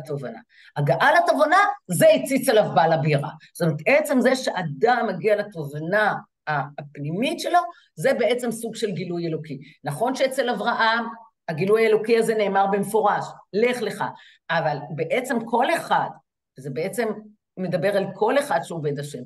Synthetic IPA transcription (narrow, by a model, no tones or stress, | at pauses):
t̪ovana̰ | aɡaʔalat̪ovanazeit͡sit͡salavbalabiʁa̰so̥omet̪ʔet͡se̞mzeʃeʔad̪amːaɡialat̪ovana | aːpnimitʃe̞lo̞ | ze̞bee̞t͡se̞msuɡʃe̞lɡilujelokinaχo̞nʃeet͡selavʁaʔam | aɡilujaelokiazene̞ːmaʁbemefo̞ʁaʃle̞χle̞χa̰ | avalbeʔe̞t͡se̞mkʰo̞le̞χad | zebeet͡se̞mː | ed̪abeʁalkʰo̞le̞χad̪ʃeove̞daʃe̞m